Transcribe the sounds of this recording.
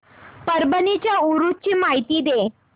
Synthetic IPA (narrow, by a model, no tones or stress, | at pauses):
pəɾbənit͡ɕjauɾut͡ɕiːmaɦit̪iːd̪e